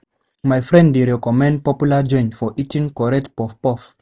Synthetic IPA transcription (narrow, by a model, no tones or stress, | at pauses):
majfɾɛ̃ndiɾɛkɔmɛ̃nd̚pɔpjulad͡ʒɔ̃j̃nfɔʔitĩŋkɔɾɛtpɔfpɔf